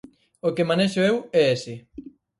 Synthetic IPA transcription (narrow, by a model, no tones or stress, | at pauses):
okemãneʃoewɛesɪ